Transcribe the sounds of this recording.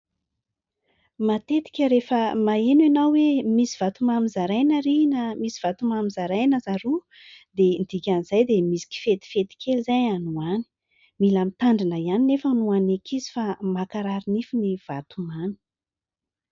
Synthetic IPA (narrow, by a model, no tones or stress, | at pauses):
mat̪et̪i̥kʲəɾefəmaenanawwemisiv̥at̪umamizaɾajnəɾinəmisi̥v̥at̪umamizaɾajnəzaɾu | d̪end̪̥ikʲanizajd̪emisi̥ki̥fet̪i̥fet̪i̥kʲʰelizajanuani̥ | milamit̪aɳɖ͡ʐinəianinefanuanekʰizi̥famakaɾaɾinifiniv̥a̰t̪umani̥